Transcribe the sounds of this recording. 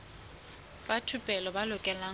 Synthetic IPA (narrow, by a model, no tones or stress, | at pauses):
batʰupʼɛlɔbalʊkʼɛlaː